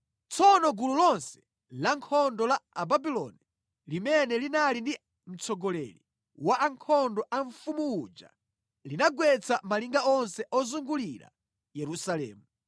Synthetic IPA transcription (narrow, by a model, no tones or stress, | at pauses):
t͡sʰɔnɔɡululɔnsɛ̥ | laŋkʰɔndɔlaːbabilɔ̰ni | limɛnɛlinalindi | m̩t͡sɔɡɔlɛ̰li | waʔaŋkʰɔndɔʔaɱfumuːd͡ʒa̰ | linaɡwɛt͡samaliŋɡaɔnsɛʔɔzuŋɡulila̰ | jɛɾusalɛ̰ːmu